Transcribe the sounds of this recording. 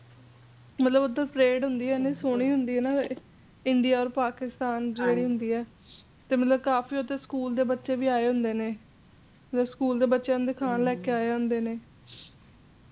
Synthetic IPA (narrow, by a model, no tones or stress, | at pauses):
mət̪ləbət̪ːəɾpɾeːɖɦʊnd̪iːɛːneːsoːɽ̃iːɦʊnd̪iːɛːnaː | ɪɳɖiːaːɔːɾpaːkɪst̪aːnd͡ʒeːɽiːɦʊnd̪iːɛː | t̪eːmət̪ləb̚kaːfiːot̪eːskuːld̪eːbətːʃeːʋiːaːeːɦʊnd̪eːneː | mət̪ləbskuːld̪eːbətːʃẽːd̪eːkʰaːnlɛːkeːaːeɦʊ̃nd̪eːneː